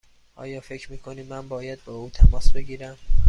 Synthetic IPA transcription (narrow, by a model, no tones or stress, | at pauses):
ʔɒ̰ːjɒːfe̞cʰɾmiːkʰo̞niːmænbɒːjæd̪̚bɒːuːt̪ʰæmɒːsbe̞ɡiːɾæm